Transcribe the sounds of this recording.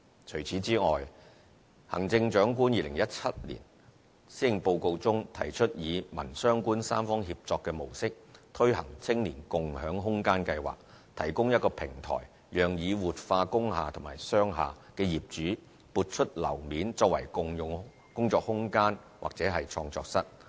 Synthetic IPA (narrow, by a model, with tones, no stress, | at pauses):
t͡ʃʰɵ˨˩jt͡sʰiː˨˥t͡siː˥ŋɔː˨j | hɐ˨˩ŋt͡sɪ˧ŋt͡ʃœː˨˥ŋk̬uː˥njiː˧lɪ˨˩ŋjɐ˥t̚t͡sʰɐ˥t̚lḭː˨˩n | si˥ɪ˨ŋpo˧wko˧wt͡sʊ˥ŋt̪ʰɐ˨˩jt͡ʃʰɵ˥t̚jiː˨˧mɐ̰˨˩nsœː˥ŋkuː˥nsaː˥mfɔː˥ŋɦiː˧p̚t͡sɔː˧kːɛː˧mo˨˩wsɪ˥k̚t̪ʰɵ˥ɥhɐ˨˩ŋt͡sʰɪ˥ŋliː˨˩nkʊ˨ŋhœː˨˥ŋɦʊ˥ŋkaː˥nkɐ˧jwa̰ː˨k̚ | t̪ʰɐ˨˩jkʊ˥ŋjɐ˥t̚kɔː˧pʰɪ˨˩ŋt̪ʰɔ̰ː˨˩j | jœː˨˩ŋjiː˨˧wuː˨˩t̚faː˧kʊ˥ŋɦa̰ː˨t̪ʰʊ˨˩maː˨˩jsœː˥ŋɦa̰ː˨kɛː˧jiː˨p̚t͡ʃyː˨˥ | puː˨˧t̚t͡ʃʰɵ˥t̚lɐ̰˨˩wmiː˨˥nt͡sɔː˧k̚wɐ˨˩jkʊ˧ŋjʊ˨ŋ | kʊ˥ŋt͡sɔː˧k̚hʊ˥ŋkaː˥n | wa̰ː˨k̚t͡sɛː˨˥ɦɐ˨jt͡ʃʰɔː˧ŋt͡sɔ̰ː˧k̚sɐ˥t̚